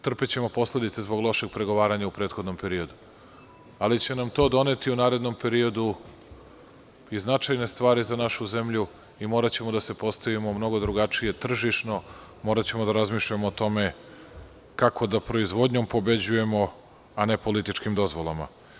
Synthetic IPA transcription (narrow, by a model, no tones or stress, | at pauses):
t̪r̩pet͡ɕe̞mo̞po̞sle̞d̪it̪se̞zbo̞ɡlˠo̞ʃe̞ɡ̚pɾe̞ɡo̞ʋaːɾaɲaupɾe̞ːt̪xo̞d̪nompe̞ɾio̞d̪u | alit͡ɕe̞namt̪o̞ːd̪o̞ne̞t̪iunaːɾe̞d̪nompe̞ɾio̞d̪u | iznat͡ʃajne̞st̪ʋaːɾizanaʃuze̞mʎu | imo̞ːɾat͡ɕe̞mod̪ase̞po̞st̪aʋimo̞mno̞ɡo̞d̪ɾuɡat͡ʂije̞t̪r̩ʒiʃno̞ | mo̞ːɾat͡ɕe̞mod̪aɾazmiːʃʎamoːt̪o̞me̞ | kako̞d̪apɾo̞izʋo̞d̪ɲo̞mpo̞be̞d͡ʑuje̞mo̞ | ane̞polit̪it͡ʃkimd̪o̞zʋo̞lˠama̰